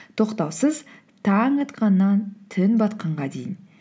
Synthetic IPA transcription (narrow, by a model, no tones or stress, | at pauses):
t̪ʰo̞qt̪ɑwsəz | t̪ʰɑŋɑt̪qɑnːɑnt̪ʰɪnbɑt̪qɑɴʁɑd̪e̞jɪn